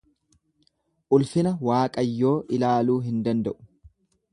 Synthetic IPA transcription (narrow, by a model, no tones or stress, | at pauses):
ʔʊlfɪnɐwaːkʼɐjːo̞ːʔɪlaːluːɦɪnd̪ɐnd̪ɐʔʊ̥